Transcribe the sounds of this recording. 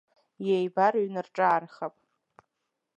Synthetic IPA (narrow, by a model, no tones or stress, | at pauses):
jejbaɾɥnɨrʈ͡ʂʼaːrχapʼ